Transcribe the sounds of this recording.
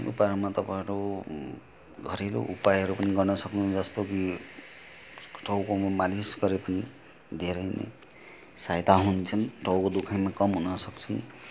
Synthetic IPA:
ṵpaɾmat̪ʌpãɦʌɾu | ɡʱʌɾelo̰ʔupajɦʌɾupʌniɡʌrnʌsʌknũd͡zʌst̪oki | ʈʰʌwkommalisɡʌɾepʌni | d̪ʱeɾʌjnḛ | sajd̪ʱaɦunt͡sʰʌnʈʰʌwkod̪ukʰajmakʌmɦunʌsʌkt͡sʰi

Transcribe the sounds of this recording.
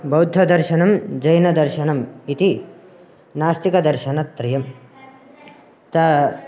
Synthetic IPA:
bɐwd̪ʱːɐd̪ɐɾʃɐnɐmd͡ʒɐjnɐd̪ɐɾʃɐnɐmit̪i | naːst̪ikɐd̪ɐɾʃɐnɐt̪ːɾɐjɐm | t̪ɐ

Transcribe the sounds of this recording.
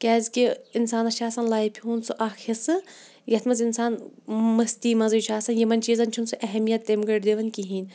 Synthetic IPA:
kʲaːzkʲiinsaːnɐʃʰaːsɐnlaːipʲʰiɦunsɨʔaːxʰisɨ | jɐt̪ʰmɐzinsaːnmɐst̪iːmɐzɐjut͡ʃʰaːsɐnjɐmɐnʲt͡ʃiːzɐnʲt͡ʃʰunsɨʔɛɦɐmijɐt̪ːemɡɐʈd̪eʋɐnkiɦiːn

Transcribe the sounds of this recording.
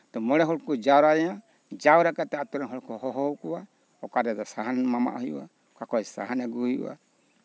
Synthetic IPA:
t̪ɔmɔɽɛɦɔɽkɔd͡ʒaɾaã | d͡ʒawɾakat̪ɛat̪ɔɾɛnɦɔɽkɔɦɔɦɔwkɔwa | ɔkadɛd̪ɔsaɦanmama̰ʔhɔjṵwa̰ | kakɔjsa̰ɦanɛɡuhujṵwa̰

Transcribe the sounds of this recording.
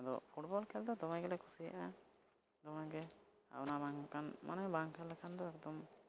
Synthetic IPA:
ad̪ɔ̰pʰuʈbɔlkʰɛld̪ɔd̪ɔmaɡɛlɛkʰusija̰ʔa | d̪ɔmaɡɛ | a̰nabaŋkanma̰nɔjbaŋkʰɛlːɛkʰand̪ɔɛkd̪ɔm

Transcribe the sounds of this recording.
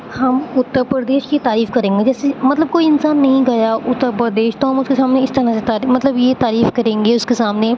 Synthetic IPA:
hɐmʊt̪ːəɾpɾɾəd̪eːʃkit̪aːɾiːfkɐɾẽːŋɡed͡ʒɛːsemɐt̪ləb̚koːiɪnsaːnːɐɦĩɡɐjaʔʊt̪ːəɾpɾəd̪eːʃt̪oɦɐmʊskesaːmneɪst̪ɐɾãset̪aːɾimɐt̪ləbjet̪aːɾiːfkɐɾẽːŋɡeʊskesaːmne

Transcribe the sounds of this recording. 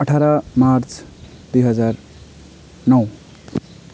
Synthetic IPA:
ʌʈʰaɾamaɾt͡s | d̪̥ujɦʌd͡zaɾ | nʌw

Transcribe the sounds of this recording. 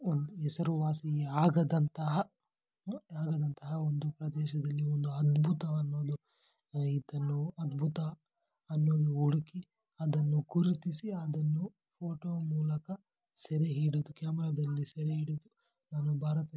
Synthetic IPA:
ond̪uɛsɐɾuʋaːsiɡeaːɡɐd̪ɐnt̪ɐɦɐ | aːɡɐd̪ɐnt̪ɐɦɐond̪upɾɐd̪ɛːʃɐd̪ɐlːiond̪uɐd̪bʱut̪ɐɐnːo̞ːd̪u | id̪ɐnːuɐd̪bʱut̪ɐː | nːoːd̪uuɽuki | ɐd̪ɐnːuɡuɾit̪isiɐd̪ɐnːu | pʰoːʈoːmuːlɐkɐ | seɾeɦiːɽid̪ukaːmɛɾɐd̪ɐlːisɛɾeɦiːɽod̪u | naːnubʱaːɾɐt̪ɐ

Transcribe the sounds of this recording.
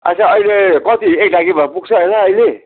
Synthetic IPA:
a̰saʌjlekʌt̪iek̚ɖaɡibʱʌpuɡ̚t͡sʰʌɦʌjnʌʌjle

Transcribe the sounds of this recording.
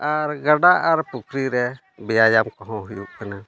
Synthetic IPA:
aɾɡaɖaʔaɾpukʰɾiɾɛ | bɛjajamkɔɦɔ̃ɦujṵʔkana

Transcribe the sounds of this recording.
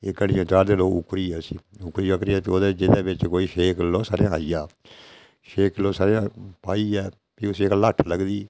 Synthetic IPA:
eːkəɽiãːd͡ʒaːɾd̪eːloːkʊ̰kɾiːɛːsiːʊkɾiːʋəkɾiːɛːt̪oːd̪eːd͡ʒɪd̪eːbɪt͡ʃkoːiːʃeːkloːsaːɾeãːaijaː | ʃeːkloːsaːɾeãːpaːiːɛː | piːʊsiːkləʈʰləɡd̪iː

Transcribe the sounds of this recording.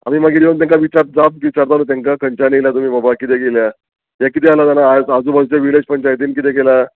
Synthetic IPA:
a̰mimaɡiɾeʋənt̪̬ãŋkaʋit͡ɕaɾ̚d͡zabkʋit͡ɕaɾt̪anut̪jãŋkakəɲt͡ɕaniljat̪um̤iːbabakit̪̬ɛɡelja | ɦjakit̪̬ɛalat̪anaːad͡zuːbəd͡zt͡ɕaʋiled͡ʑpəɲt͡ɕajt̪̬iːnkit̪ɛɡela

